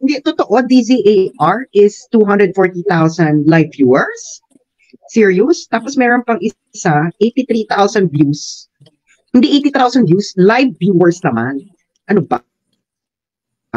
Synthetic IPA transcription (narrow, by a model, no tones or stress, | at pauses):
hɪnd̪ɛt̪ot̪oʔod̪iziʔeʔaɹɪst̪uːɦɐnd̪ɹɛd̪̚foɹt̪it̪awsɐnd̪lajvjuːɛɹsː | iɹiʊst̪aːposmɛːɾonpɐŋʔɪ | saʔejt̪it̪ɾit̪awsɐnd̪̚vjus | hɪnd̪iʔejt̪it̪awsɐnvjuslajvːjuɛɹsnɐma̰n | ʔɐnobɐ̰